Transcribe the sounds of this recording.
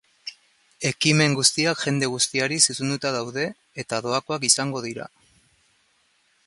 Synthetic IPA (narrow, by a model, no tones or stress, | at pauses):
e̞kime̞ŋɡust̪iakʝe̞nd̪e̞ɣ̞ust̪iaɾisisund̪ut̪aðawðe̞ː | t̪aðo̞ako̞akisaŋɡo̞ð̞iɾa̰